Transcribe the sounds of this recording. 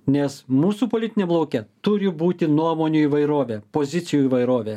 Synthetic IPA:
nʲɛsmuːsuːpoːlʲɪt̪ʲɪnʲɛblˠɐʊkʲɛt̪ʊɾʲɪbuːt̪ʲɪnuɔmoːnʲuːiːʋɐɪɾoːʋʲeːpoːzʲɪt̪sʲɪjuːiːʋɐɪɾoːʋʲeː

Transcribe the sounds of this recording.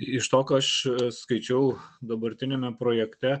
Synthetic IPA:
ɪʃt̪oːkɐʃskɐɪt͡ʃʲɛʊd̪ɐbɐɾʲt̪ʲɪnʲemʲɛpɾoːjɛkt̪ʲɛ

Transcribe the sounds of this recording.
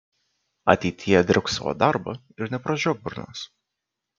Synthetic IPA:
ɐ̰t̪ʲɛɪt̪ʲɪjɛd̪ʲɪʊksɐʋo̰ːd̪ɑɾbɐ̰ | ɪɾnʲɛpɾɐd͡ʒʲoːbʊɾno̰s

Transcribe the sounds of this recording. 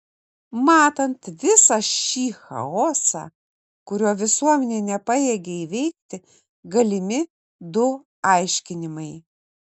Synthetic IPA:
mɑːt̪ɐnt̪ʋʲɪsɐʃʲiːxɐ̰oːsɑ̰ | kʊɾʲuɔʋʲɪsuɔmʲɛnʲeːnʲɛpɐjeːɡʲɛiʋʲɛɪk̚t̪ʲɪ | ɡɐlʲɪmʲɪ | d̪ʊ | ɑˑɪʃʲkʲɪnʲɪmɐɪ

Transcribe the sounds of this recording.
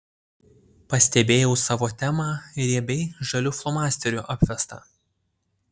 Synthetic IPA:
pɐsʲt̪ʲɛbʲeːjɛʊsɑːʋoːt̪ʲæmɑːɾʲiɛbʲɛɪʒɐlʲʊflˠɔmɑːsʲt̪ʲɛɾʲuːʔɐpʲʋʲɛst̪ɑ̰ː

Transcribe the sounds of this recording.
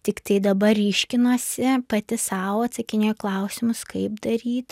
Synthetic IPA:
t̪ʲɪkt̪ɐɪd̪ɐbɐrʲiːʃʲkʲɪnoːsʲɪpɐt̪ʲɪsɑːʋoːɐt̪sɐkʲɪnʲeːjklˠɐʊsʲɪmʊskɐɪbd̪ɐɾʲiːt̪

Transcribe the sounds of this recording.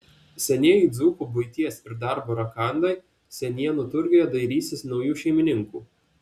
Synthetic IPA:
sʲɛnʲiɛjɪd̪zuːpʊbʊɪt̪ʲiɛsɪɾd̪ɑˑɾboːɾɐkɑˑnd̪ɐɪ | sʲɛnʲiɛnʊt̪ʊɾʲɡʲɪjɛd̪ɐɪɾʲiːsʲɪsnɒʊjuːʃʲɛɪmʲɪnʲɪŋkuː

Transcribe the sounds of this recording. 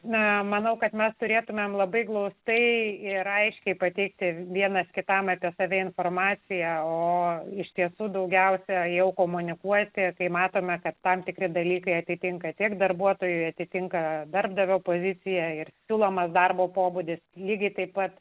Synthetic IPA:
nɐmɐnɐʊkɐt̪mʲɛst̪ʊɾʲeːt̪ʊmʲemlˠɐbɐɪɡlˠɐʊst̪ɐɪɪɾɐɪʃʲkʲɛɪpɐt̪ʲɛɪk̚t̪ʲɪʋʲiɛnɐskʲɪt̪ɑmɐpʲiɛsɑːʋʲɛɪnfoːrmɑːt͡ssʲɪjɛoːɪʃʲt̪ʲiɛsuːd̪ɐʊɡʲɛʊsʲɛjɛʊkoːmʊnʲɪkuɔt̪ʲɪkɐɪmɑːt̪oːmʲɛkɐt̪ːɐmt̪ʲɪkɾʲɪd̪ɐlʲiːkɐɪɐt̪ʲɪt̪ʲɪŋkɐt̪ʲikd̪ɐrbuɔt̪oːjʊɪɐt̪ʲɪt̪ʲɪŋkɐd̪ɐrbd̪ɐʋʲoːpoːzʲɪt͡s̪ʲɪjɛɪrsʲuːlˠoːmɐsd̪ɐrboːpoːbʊd̪ʲɪslʲiːɡʲɐɪt̪ɐɪpːɐt̪

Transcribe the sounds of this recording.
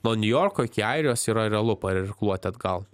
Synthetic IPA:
nuɔnʲʊjoːɾkoːɪkʲɪɐɪɾʲɪjoːsiːɾɐɾʲɛlˠʊpɐɪɾɪɾklˠuɔt̪ʲɪɐd̪ɡɐlˠ

